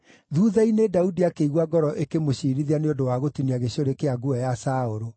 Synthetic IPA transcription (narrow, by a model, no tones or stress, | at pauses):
ðuːðainedaudiakeiɣwaɡɔɾɔʔekemoɕiɾiðianeondowaɣotuniaɣeɕoɾekeaɡuɛjasaoɾo